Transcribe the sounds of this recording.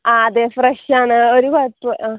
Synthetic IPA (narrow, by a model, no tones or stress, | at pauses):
aːðefreʂaːɳɨoɾukɐpːɨʔ